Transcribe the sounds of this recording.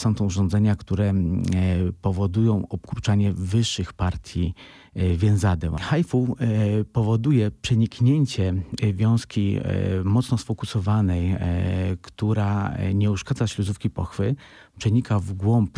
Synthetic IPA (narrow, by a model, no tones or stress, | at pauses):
sɔ̃w̃t̪ɔuʐɔ̃nd̪zɛɲakt̪uɾɛ | pɔvɔd̪ujɔ̃w̃ɔpkɾut͡ʂaɲɛvɘʂːɘxpaɾt̪ʲji | vʲjɛ̃zad̪ɛmxajfupɔvɔd̪ujɛpʂɛɲikɲɛɲt͡ɕɛvʲjɔ̃w̃skʲimɔt̪snɔsfɔkusɔvanɛj | kt̪uɾaɲɛuʂkad̪zaɕlʲuzufkʲipɔxfɘ | pʂɛɲikavɡwɔmp